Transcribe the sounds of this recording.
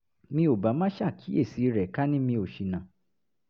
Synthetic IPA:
mĩ˧o˨ba˨˦mã˦ʃa˦˨kʰi˨˦e˦˨si˨˦ɾɛ˨ka˦nĩ˦mĩ˧o˨ʃi˨nã˨

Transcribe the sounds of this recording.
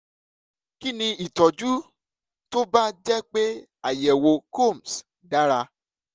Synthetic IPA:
ki˦nĩ˧i˨tɔ˨d͡ʒu˦ | to˦ba˦d͡ʒɛ˦k͡pe˦ | a˨jɛ˨wo˧ko˦˨m˨s | da˦ɾa˧

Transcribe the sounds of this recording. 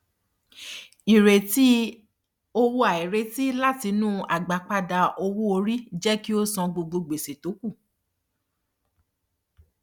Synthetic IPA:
i˨ɾe˨ti˦ | o˧wo˧a˨i˨ɾe˧˦ti˦la˦ti˧˦nũ˦ʔa˨ɡ͡ba˨k͡pa˧da˧ʔo˧wu˦o˧ɾi˦d͡ʒɛ˦ki˦o˦sɔ̃˧ɡ͡bo˧ɡ͡bo˧ɡ͡be˨se˨to˨˦ku˦˨

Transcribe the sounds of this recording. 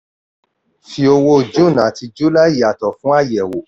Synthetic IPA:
fi˧o˧wo˦˨d͡ʒũ˦˨nã˨˦ti˧d͡ʒu˦la˦i˦˨a˨tɔ˨fũ˦a˦˨jɛ˨wo˨

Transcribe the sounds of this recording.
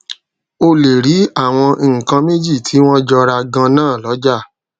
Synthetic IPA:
o˧le˨ɾi˨˦a˦˨w̃ɔ̃˧˨ŋ̩˨kã˧me˦d͡ʒi˦˨tʰi˨˦w̃ɔ̃˦d͡ʒɔ˧ɾa˧ɡã˧nãː˦˨lɔ˨˦d͡ʒa˦˨

